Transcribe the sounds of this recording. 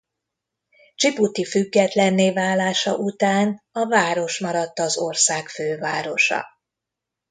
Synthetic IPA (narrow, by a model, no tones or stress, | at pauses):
t͡ʃiput̪ifyɡːɛt̪lɛnːeːvaːlːaːʃɒ̰ʔut̪aːn | ɒvaːɾo̞ʃmɒɾɒt̪ːɒzorsaːkføːvaːɾo̞ʃɒ̰